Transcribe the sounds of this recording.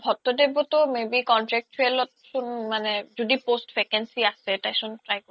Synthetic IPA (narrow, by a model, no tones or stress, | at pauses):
bʱɔt̪ːod̪ebot̪omebikɔnʈɾɛk̚t͡ɕʰoelot̪ʃunmaned͡ʑod̪iposʈfɾekensiaʃeʈajʃunʈɾajko